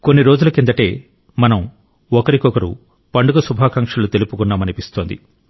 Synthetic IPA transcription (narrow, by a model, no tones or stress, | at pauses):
ko̞nːiɾo̞ːd͡ʒulɐkind̪ɐʈe̞ː | mɐnɐm | ɔkɐɾikɔkɐɾṵ | pɐɳɖuɡɐsubʱaːkɐŋʂɐlut̪elupukunːaːmɐnipist̪oːnd̪ḭ